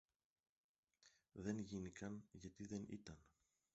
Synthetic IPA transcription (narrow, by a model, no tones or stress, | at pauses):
ðe̞nʝinikɐnʝɐt̪iðe̞nḭt̪ɐn